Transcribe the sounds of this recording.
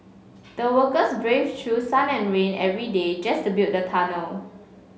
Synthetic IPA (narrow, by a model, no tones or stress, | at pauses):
d̥əwəkəsbɹevtʰɹusãnɛ̃nɹẽnɛvɹided͡ʒastubilt̚dətʰanəl